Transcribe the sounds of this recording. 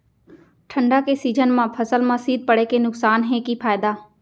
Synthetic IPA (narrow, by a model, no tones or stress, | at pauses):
ʈʰə̃ɳɖakesiːd͡ʒənmãpʰɐsəlmãsiːd̪̚pɐɽekenʊksaːnɦɛ̃kipʰaːɪd̪aː